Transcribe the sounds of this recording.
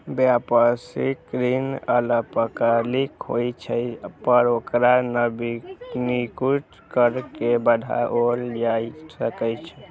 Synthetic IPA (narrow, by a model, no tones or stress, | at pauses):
bjapəsikɾinələpəkəlikɦo̰jt͡ʃʰəpəɾokɾanəbinikuʈ | kəɾkebəd̪ʱa̰ʔold͡ʒajsəkəjt͡ʃʰ